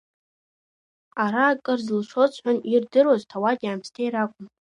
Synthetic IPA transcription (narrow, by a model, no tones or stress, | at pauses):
aɾaːkʼɨrzɨlʂot͡sʰʼħʷanirdɨrwaztʰawaɡʲaːmstʰeiɾakʷʼʊm